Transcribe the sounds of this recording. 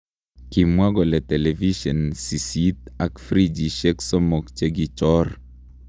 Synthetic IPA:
ki˨mwa˦ɡɔ˨lɛ˨t̪ɛ˨lɛ˨vi˦ʃɔ˨nsi˨si˦t̪a˨kfɾi˦d͡ʒi˨ʃɛ˦ksɔ˦mo˨kt͡ʃe˦ɡi˨t͡ʃɔ˦r

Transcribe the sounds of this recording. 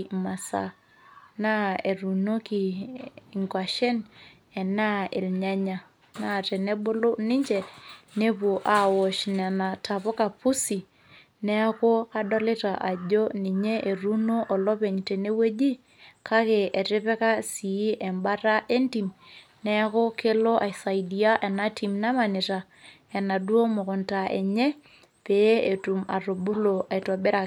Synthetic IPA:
ma˨sa̰˦ | na˦e˨ɾu˨no˦ki˨i˨ŋkwa˨ʃɛ˦n | ɛ˨na˦ḛ˨lɲa˦ɲa˨ | na˦˨tɛ˨ne˦bo˦lo˦ni˦ɲd͡ʒɛ˨ne˦pu˨ʔa˨wɔ˨ʃna˨na˨ta˨pɔ˦ka˨pu˦si˨ | nɛ˦a˦ko˦a˦dɔ˦lɪ˦ta˨ʔa˨ɟo˦ni˨ɲe˦ʔe˨ɾu˦no˦ʔɔ˨lɔ˦pe˨ɲte˨ne˦we˦d͡ʒi˦ | kʰa˦ke˨e˨tɪ˦pɛ˦ka˦si˨˦ʔɛ˨mba˦ta˦ʔe˦nti˨m | nɛ˦ko˦ke˦lo˦ʔa˨jsa˨idi˨a˦ʔɛ˨na˦ti˨mna˦ma˨ni˨ta˨ | ɛ˨na˨du˦o˦mʊ˨kʊ˨nta˨ḛ˨ɲɛ˦ | pe˦e˨tu˨ma̰˨ɾo˨bu˦lo˨a˨i˨tɔ˨bɛ˦ɾa˨

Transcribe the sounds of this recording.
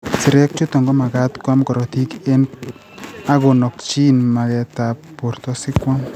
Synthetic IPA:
si˨ɾɛ˦k̚t͡ʃu˦t̪ɔ˨ŋɡɔ˦ma˨ɡa˦t̪kwa˦mkɔ˨ɾɔ˨ti˦ke˦n | a˦ɡo˨nɔ˨kt͡ʃi˦nma˨ɡɛ˨tappo˨ɾt̪ɔ˦sɪ˦kwam

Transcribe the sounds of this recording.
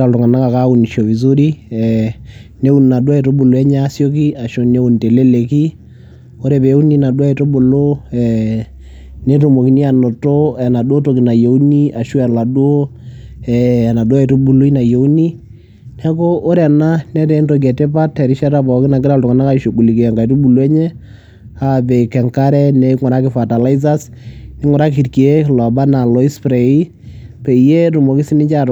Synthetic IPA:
ɾa˨ltʊ˨ŋa˨na˦ka˨ka˦u˨ni˨ʃo˨vi˨z̬o˦ɾi˦ɛ˨ne˦u˦˨n˨na˨du˦a˦ɛ˨to˦bu˨lo˨ɛ˦ɲa˦sjo˦k̬i˦a˨ʃo˦ne˦u˨nte˨le˦le˨ki˦ | o˦ɾɛ˨be˨˦u˦ni˦na˨dwa˦ɛ˨to˦bo˨lo˦ɛ˨ | ne˦to˨mo˨ki˦ni˦a˨no˨to˦ɛ˨na˨dwo˦to˨ki˨na˨jo˨u˦ni˦a˨ʃu˦ɛ˨la˨dwo˦ | ɛ˨na˨do˦ɛ˨to˦bu˨lu˦i˦na˨jo˨˦ni˦ | nɛ˦ko˦ʔo˦ɾɛ˨na˦nɛ˦tɛ˨˦ndo˨ɡ̬ɛ˨te˦pa˦tːɛ˨ɾi˦ʃɛ˦ɾa˦bɔ˨ki˦na˨k̬ɪ˦ɾa˦ltɔ˨ŋa˨na˦ka˦˨ʃo˨ku˨li˨kɛ˨ŋɡa˨i˨tu˦bu˨lu˦ɛ˦ɲɛ˦ | a˦˨bɛ˨kɛ˨ŋka˦ɾɛ˦ne˦ŋɔ˨ɾa˦kɪ˨fa˨ta˨la˦i˦z̬a˦s | ni˦ŋɔ˨ɾa˦ki˨ɾki˨e˦lɔ˨ba˦na˨lɔ˦i˦spɾe˨i˦ | pɛ˨je˦ɾu˨mo˨ki˦si˦nɪ˦t͡ʃa˦˨

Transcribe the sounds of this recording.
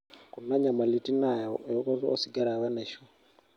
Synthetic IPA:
ku˨na˦ɲa˨ma˨li˨ti˦na˨jɔ˨jɔ˦kɔ˦ɾɔ˦si˨ɡa˦ɾa˨βa˦na˨ʃɔ˦

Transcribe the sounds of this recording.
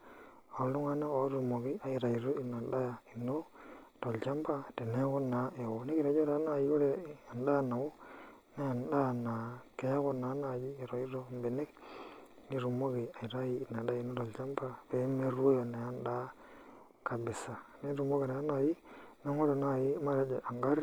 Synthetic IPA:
o˨˦lu˦ŋa˦na˦o˨˦ɾu˨mo˨ki˦a˨i˨ɾa˨i˨ɾo˦i˨na˨ɗa˦ja˨i˨no˦to˨lt͡ʃa˦mba˦te˨ne˦ko˦na˨˦ʔe˨wo˨ni˦ki˨ɾa˨d͡ʒo˦ɾa˨˦na˨ji˦o˦le˦a˨nɗa˦˨na˨wo˦ | ne˦ja˨nɗa˦˨na˨ke˦ko˦na˨˦na˨d͡ʒi˦˨ɾo˨i˦ɾo˦mbe˨ne˦k | ni˦ɾu˨mo˦ɣi˨a˨i˨ɾa˦jiː˦˨na˨ɗa˦a˦i˨no˦to˨lt͡ʃa˦mba˨pe˨˦me˦ɾu˦o˦jo˨na˨ja˦nɗa˦ | ka˨bi˨sa˨ni˦ɾu˨mo˦ke˨na˨a˦na˨ji˦na˦ŋo˦lo˨na˨ji˦ma˦ɾe˨˦d͡ʒe˨ʔa˨ŋɡa˦ɾ

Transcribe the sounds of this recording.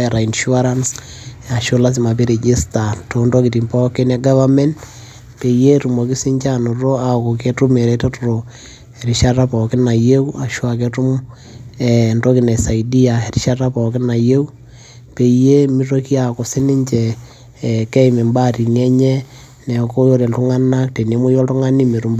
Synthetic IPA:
ɛɾa˨i˨nʃu˦a˦ɾa˦ns | a˨ʃo˦la˦s̬ɪ˨ma˨pi˦ɾe˨d͡ʒe˦sta˨to˨ndo˦ki˨ti˨mpɔ˦kɪ˦nɛ˨ɡa˦βa˦mɛ˦n | pe˨je˦tu˨mo˨kɪ˦sɪ˦ɲt͡ʃa˦no˨ro˦a˨ko˨ke˦tu˦me˨ɾɛta˦tʊ˨ɾo˨ | e˨ɾi˨ʃa˦ta˦pɔ˨kɪ˦na˨je˦u˦a˨ʃwa˨ke˦tu˦m | ɛ˨ndo˦ki˨nɛ˨sa˨idi˦a˨e˨ɾi˦ʃa˦ta˦pɔ˨kɪ˦na˨je˦u˦ | pe˨je˦mi˦ro˦ki˦a˨ko˨si˦nɪ˦ɲt͡ʃɛ˨ | kɛ˦ime˨mba˦ti˨nɛ˦ɲɛ˦ | nɛ˨ko˦jo˦ɾe˨ntu˦ŋa˦na˦k̚te˨ne˦mo˦jɔ˦ltu˦ŋa˦ni˦me˨ɾu˨mb

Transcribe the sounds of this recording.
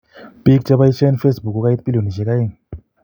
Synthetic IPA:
pi˦kt͡ʃa˦βa˦i˦t͡ʃa˦nfe˦sbu˨ku˦ka˦i˦t̚pi˦lo˨ni˨ʒe˨ka˦ji˦ŋ

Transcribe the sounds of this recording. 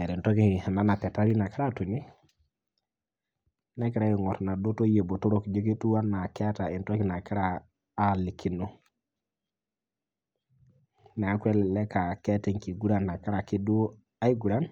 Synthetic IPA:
e˨ɾi˨nto˦ki˨ha˨na˦na˨pɛ˨ta˦ɾi˦na˨ka˦ɾa˦tu˨ni˦ | nɛ˦k̬i˦ɾa˦ji˨ŋɔ˨tna˨do˦to˦je˨bo˨to˦ɾo˦˨kd͡ʒe˦ki˦tu˦wa˦nːa˨kɛ˦ta˨i˨nto˦ki˨na˨ki˦ɾaː˨˦ | li˨kʰi˨no˦ | nɛ˨a˨kʷɛ˦lɛ˨lɛ˦ka˨kɛ˦tɛ˨ŋki˨ɡu˦ɾa˦˨nːa˨ka˦ɾa˨ki˦du˦ | a˦i˦ɡu˨ɾa˦n

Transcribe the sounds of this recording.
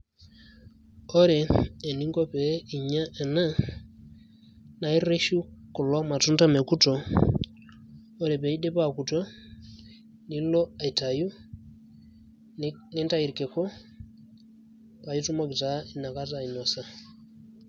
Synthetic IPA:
ɔ˦ɾɛː˨ni˦ŋɡɔ˦pɛ˨˦i˨ɲa˦ʔɛ˨na˦ | na˨i˦ɾe˦ʃu˦ku˨lɔ˦ma˨tu˦nda˦me˨ku˦tɔ˨˦ | ɾe˨pɛ˨i˦ɗɛ˦pa˨ku˨twa˦ | ni˦lɔ˦a˨i˨ta˨ju˦ | ne˦nta˦i˨ɾi˨ke˨kɔ˦ | pa˨ji˦tu˦mɔ˦ki˨ta˨˦i˨na˨ka˦tai˨nɔ˨sa˨

